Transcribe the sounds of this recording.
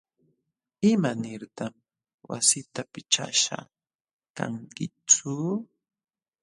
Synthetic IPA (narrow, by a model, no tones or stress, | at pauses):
ɪmanɪɾt̪am | wa̰sɪt̪apɪt͡ʃa̰ʃa̰ | ka̰ŋkɪt͡sʊ